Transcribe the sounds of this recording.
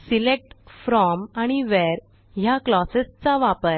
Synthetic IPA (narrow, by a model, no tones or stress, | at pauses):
silek̚ʈfɾɔmaɽ̃iʋɛɾ | jaklɔsest͡saʋapəɾ